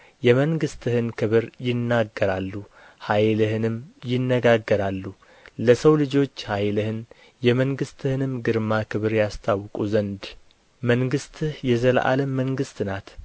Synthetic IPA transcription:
jɛməŋɡɨst̪ʰɨhɨnkʰɨβɨɾjɪnːaɡːəɾalːu | hajlɨhɨnɨmjɪnːəɡaɡːəɾalːu | ləsəwlɨd͡ʒo̞t͡ʃːhajlɨhɨn | jɛməŋɡɨst̪ʰɨhɨnɨmɡɨɾmakʰɨβɨɾjast̪ʰawkʼuzənd̪ | məŋɡɨst̪ʰɨhjɛzəlʔa̰ləmːəŋɡɨst̪nat̪

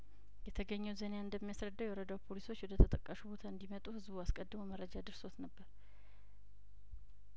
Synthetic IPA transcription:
jɛt̪ʰəɡəɲːɛwzənejaɨnd̪əmːijasɾəd̪ːawjɛwɔɾəd̪awpʰo̞liso̞t͡ʃːwɔd̪ət̪ʰət̪ʼəkʼːəʃubo̞t̪ʰaɨnd̪imət̪ʼuhɨzbuaskʼəd̪ːɨmuməɾːəd͡ʒad̪ɨɾso̞t̪nəbːəɾ

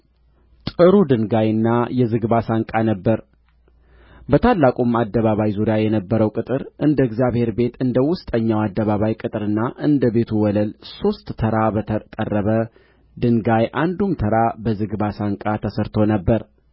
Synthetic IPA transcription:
t̪ʼɨɾud̪ɨŋɡajɨnːajɛzɨɡbasaŋkʼanəbːəɾ | bət̪ʰalːakʼumad̪ːəβaβajzuɾjajɛnəbːəɾəwkʼɨt̪ʼɨɾʔɨnd̪əɛɡzjaβhe̞ɾbe̞t̪ɨnd̪əwʊst̪ʼəɲːawad̪ːəβaβajkʼɨt̪ʼɨɾɨnːaʔɨnd̪əbe̞t̪ʰuwɔləlso̞st̪ʼːʰəɾabəkʼərːəβə | d̪ɨŋɡajʔand̪umt̪ʰəɾabəzɨɡβasaŋkʼat̪ʰəsɨɾt̪ʰo̞nəbːəɾ

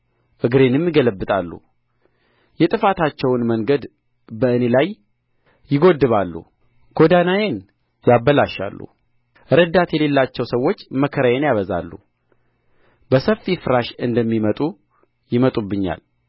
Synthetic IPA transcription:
ʔɨɡɾe̞nɨmjɪɡələbːɨt̪ʼalːṵ | jɛt̪ʼɨfat̪ʰat͡ʃːɛwnməŋɡəd̪ | bəɨne̞lajː | ɪɡo̞d̪ːɨβalːṵ | ɡ̥o̞d̪anajen | jabːəlaʃːa̰lːṵ | ʔɨɾəd̪at̪jɛle̞lːat͡ʃːɛwsəwːo̞t͡ʃːməkʰəɾəjenjaβəza̰lːṵ | bəsəfːifɨɾaʃɨnd̪əmːimət̪ʼu | jɪmət̪ʼubːɨɲːa̰l

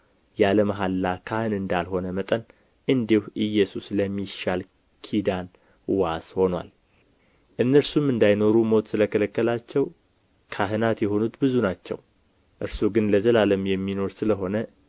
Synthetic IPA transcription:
jaləmɦalːakʰahɨnɨnd̪alho̞nəmət̪ʼən | ʔɨnd̪ihʔɨjːɛsusləmːiʃal | kʰid̪an | washo̞nwa̰l | ʔɨnːəɾsumɨnd̪ajno̞ɾumo̞t̪sɨləkʰələkːəlat͡ʃːɛw | kʰaɦɨnat̪jɛɦo̞nut̪bɨzunat͡ʃːɛ̰w | ʔɨɾsuɡɨnləzəlaləmjɛmːino̞ɾsɨləɦo̞nə

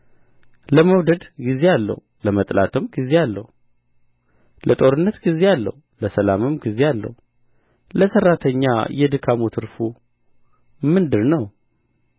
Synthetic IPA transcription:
ləməwd̪əd̪ɡize̞alːə̰huləmət̪ʼla̰t̪ʰɨmɡize̞alːə̰hu | lət̪ʼo̞ɾɨnːət̪ɡize̞alːə̰h | ləsəlamɨmɡizealːə̰hu | ləsərːat̪ʰəɲːa̰jɛd̪ɨkʰamot̪ʰɨɾfu | mɨnd̪ɨɾnəw

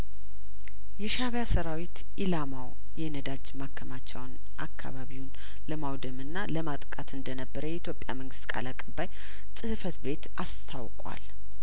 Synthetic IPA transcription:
jɛʃaβjasəɾawit̪ | ʔilamaw | jɛnəd̪ad͡ʒmakʰːəmat͡ʃːɛwn | ʔakʰːa̰βaβiwn | ləmawd̪əmɨnːaləmat̪ʼkʼat̪ɨnd̪ənəbːəɾəjɛit̪jo̞pʼja̰məŋɡɨ̥st̪kʼa̰lakʼɨbaj | sʼɨhɨfət̪be̞t̪ast̪ʰawkʼwa̰l

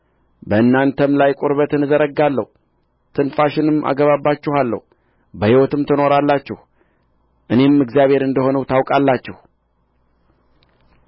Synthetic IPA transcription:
bəɨnːant̪ʰəmlajkʼʊɾβət̪ɨnɨzəɾəɡːalːə̰hu | t̪ʰɨnfaʃɪnɨmʔa̰ɡəβabːat͡ʃːɛhalːə̰hu | bəhiwɔt̪ɨmt̪ʰɨno̞ɾalːat͡ʃːɛh | ʔɨne̞mɨɡzijaβhe̞ɾɨnd̪əho̞nəwt̪ʰawkʼalːat͡ʃːɛh

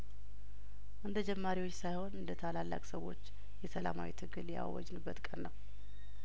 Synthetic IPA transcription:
ʔɨnd̪əd͡ʒɛmːaɾiwot͡ʃːsajho̞nɨnd̪ət̪ʰalalːa̰kʼsəwo̞̰t͡ʃː | jɛsəla̰ma̰wḭt̪ʰɨɡɨlja̰wːɔ̰d͡ʒnɨbːət̪kʼənːəw

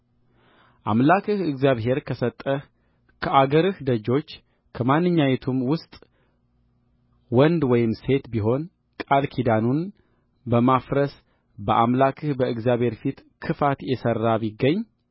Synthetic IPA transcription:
ʔamlakʰɨhɨɡzjaβɦe̞ɾkʰəsət̪ʼːəh | kʰəʔaɡəɾɨhd̪əd͡ʒo̞t͡ʃː | kʰəmanːɨɲːawet̪ʰumwʊst̪ʼ | wɔnd̪wɔjɪmse̞t̪biɦo̞n | kʼalkʰid̪anun | bəmafɾəs | bəʔamlakʰɨhbəɨɡzjaβhe̞ɾfit̪kʰɨfat̪jɛsərːaβiɡːəɲː

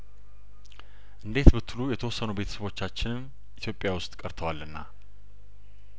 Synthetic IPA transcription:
ʔɨnd̪e̞t̪bɨt̪ʰːlujɛt̪ʰəwɔsːənube̞t̪ʰə̥səβo̞t͡ʃːat͡ʃːɪnɨm | ʔit̪ijopʼːjawʊst̪ʼkʼəɾt̪ʰəwalːɨnːa

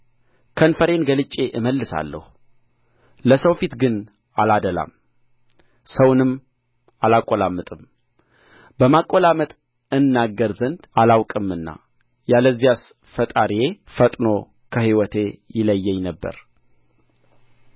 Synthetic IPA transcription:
kʰənfəɾe̞nɡəlɨt͡ʃʼːe̞ʔɨməlːɨsa̰lːə̰hu | ləsəwfit̪ɡɨn | alad̪əla̰m | səwnɨm | alakʼːolamːɨt̪ʼɨm | bəmakʼolamət̪ʼ | ɨnːaɡːəɾzənd̪alawkʼɨmːɨnːa̰ | jaləzːijas | fət̪ʼaɾjefət̪ʼno̞ | kʰəhiwɔt̪ʰe̞jɪləjːɛɲnəbːə̰ɾ

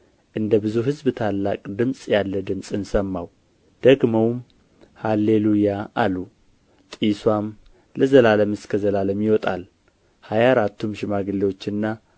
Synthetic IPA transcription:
ʔɨnd̪əbɨzuɦɨzbt̪ʰalːakʼd̪ɨmsʼjalːəd̪ɨmsʼɨnsəmːaw | d̪̥əɡməwm | halːelujaʔalu | t̪ʼiswam | ləzəlaləmɨskʰəzəlaləmjɪwɔt̪ʼal | hajaɾat̪ːumʃɪmaɡɨlːewo̞t͡ʃːɨnːa

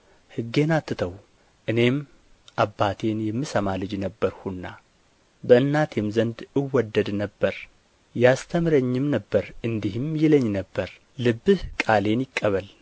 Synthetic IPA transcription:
hɨɡːe̞nat̪ʰːɨt̪ʰəw | ʔɨne̞m | ʔabːat̪ʰe̞njɛmːɨsəmalɨd͡ʒnəbːəɾhunːa | bəɨnːat̪ʰɛmzənd̪ɨwːɔd̪ːəd̪nəbːəɾ | jast̪ʰəmɾəɲːɪmnəbːəɾʔɨnd̪ihɨmjɪləɲːnəbːəɾ | lɨbːɨhkʼale̞njɪkʼːəβəl

